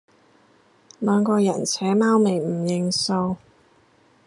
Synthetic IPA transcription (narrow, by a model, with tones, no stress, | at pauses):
lœː˨˧ŋkɔː˧jɐ˨˩nt͡sʰɛː˨˥maː˥wme˨˩jm̩˨˩jɪ˨˧ŋso˧w